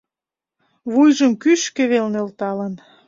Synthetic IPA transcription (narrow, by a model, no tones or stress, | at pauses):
βujʒəmkyʃkeβelnølt̪ɑlən